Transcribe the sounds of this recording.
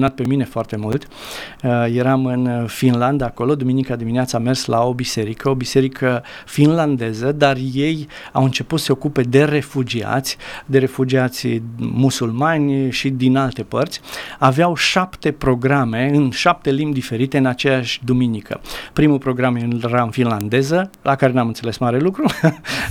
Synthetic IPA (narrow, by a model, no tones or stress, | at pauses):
unat̪̚pe̞mine̞foart̪e̞mult̪ | je̞ɾamɨnfinland̪aːko̞lo̞d̪uminikəd̪imineat̪same̞rslao̞bise̞ɾikəo̞bise̞ɾikʰə | finland̪e̞zəd̪arje̞j | awɨnt͡ʃe̞put̪səse̞o̞kupe̞d̪e̞re̞fud͡ʒia̰t̪sʲd̪e̞ɾe̞fud͡ʒiat̪sʲmusulmanʲʃid̪inalt̪e̞pərt̪sʲaveawʃapt̪e̞pɾo̞ɡɾame̞ɨnʃap̚t̪e̞limbʲd̪ife̞ɾit̪e̞ɨnat͡ʃe̞jaʃʲd̪uminikʰə̰pɾimupɾo̞ɡɾameɾafinland̪e̞zəlakaɾe̞namɨnt̪se̞le̞smaɾe̞lukɾu